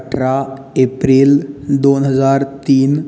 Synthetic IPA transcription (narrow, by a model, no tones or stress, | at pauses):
ʈɾa | epɾiːld̪onɦəd͡zaɾt̪iːn